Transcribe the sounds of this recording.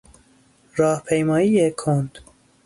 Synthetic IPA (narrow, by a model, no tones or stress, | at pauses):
ɾɒːhpʰejmɒːiːjekʰond̪̥